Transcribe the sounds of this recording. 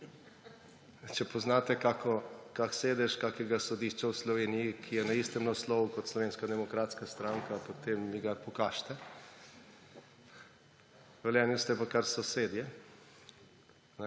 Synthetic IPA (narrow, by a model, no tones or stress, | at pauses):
t͡ʃɛpoznaːt̪ɛkakɔkakseːd̪ɛʃkaːkɛɡasɔd̪iːʃt͡ʃawslɔʋeːnijikʰijɛnaist̪ɛmnaslɔːʋukɔt̪slɔʋeːnskad̪ɛmɔkɾaːt̪skast̪ɾaŋkapot̪emniɡapɔkaʃt̪ɛ | ʋɛljɛnjist̪ɛpɔkaɾsɔseːd̪jɛ | n